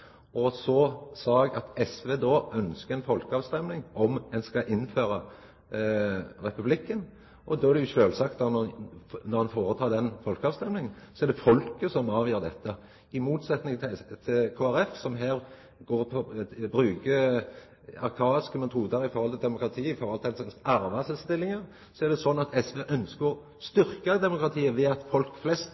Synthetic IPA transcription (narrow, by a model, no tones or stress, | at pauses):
ɔsɔsɑɡɑt̪ɛsʋeːd̪ɔʔœnskəɾɛnfɔlkəɑʋst̪ɛmnɪŋɔmɛnskɑʔɪnːføːɾɑ | ɾɛpʉblɪkːən | ʔɔd̪ɔːæɾɖ̪ɛjʊʃøːlsɑkt̪̚d̪ɑnnɔɾmɑnfoːɾət̪ʰɑːd̪ɛnfɔlkəɑːʋst̪ɛmlɪŋənsɔɛɾɖ̪ɛfɔlkəsɔmɑːʋjøːɾd̪ɛt̪ːə | ɪmuːt̪sɛt̪nɪŋt̪ʰɪlkʰoːæɾɛfsɔmɦæːɾ | ɡoːɾpʰɔbɾʉːkə | ɑɾkʰɑːɪskəmɛt̪ʰuːd̪əɾɪfɔɾhɔlt̪ʰɪld̪ɛmʊkɾɑt̪ʰiːɪfɔɾhɔlt̪ɪɛnsɑɑɾʋɑsɛlst̪ɪlːɪŋəɾ | sɔæɾɖ̪ɛsɔnːɑt̪ʰɛsʋeʔœnskəɾɔ | st̪ʏɾkəd̪ɛmʊkɾɑt̪ʰiːəʋɛːɑt̪fɔlkflɛst̪